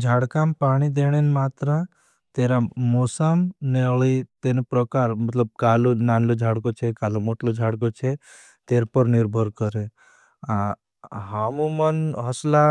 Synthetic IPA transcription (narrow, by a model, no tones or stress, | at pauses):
d͡ʒʱaːɽkampaːɽ̃id̪eɽ̃enmaːt̪ɾa | t̪eːɾamoːsəmneɭit̪enpɾɔkaːɾmət̪ləb̚kaːlonaːnlod͡ʒʱaːɽkot͡ʃʰekaːlomoʈlod͡ʒʱaɽk̬ot͡ʃʰe | t̪eːɾpəɾnɪɾbʱəɾkəɾe | a | ɦamũmənɦəsla